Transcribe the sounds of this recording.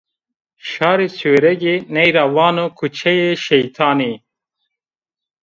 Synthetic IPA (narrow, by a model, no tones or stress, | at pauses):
ʃaːɾeseːɾɛɡenejɾawaːnokʰut͡ʃʰejeʃejt̪ʰaːni